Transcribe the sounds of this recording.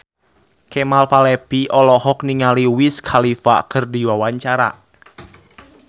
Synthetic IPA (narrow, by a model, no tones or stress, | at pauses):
kemalpalɛb̥iʔɔlɔhɔk̚niŋaliwiskʰalifa̰kərdiwawaɲt͡ʃaɾa̰